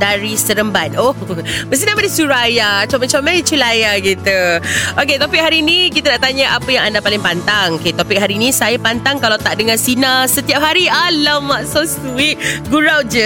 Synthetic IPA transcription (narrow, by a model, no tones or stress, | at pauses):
daɾisəɾəmbat̪̚obəst̪inãmadisuɾajat͡ʃamət͡ʃamlajit͡ʃulajaɡit̪uok̬et̪opɪk̚ɦaɾinikit̪anaʔt̪aɲaʔapəjaŋandapalɪŋpant̪aŋoket̪opɪk̚ɦaɾinĩsajapant̪aŋkalawt̪aʔdəŋansinasət̪iap̚ɦaɾialamːaʔsosuit̪̚ɡuɾawd͡ʒə